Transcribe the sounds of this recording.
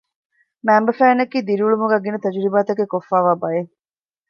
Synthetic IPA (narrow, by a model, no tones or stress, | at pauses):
mæːmbɐfæːnɐkiːd̪iɾiuɭumuɡæːɡinɐt̪ɐd͡ʒuɾibaːt̪ɐɡekofːaːʋaːbɐje